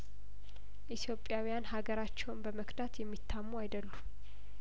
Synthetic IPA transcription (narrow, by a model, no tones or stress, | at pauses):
ʔit̪ʰjo̞pʼjawijanhaɡəɾat͡ʃːɛwnbəməkd̪at̪jɛmːit̪ʰːamːuajd̪əlːu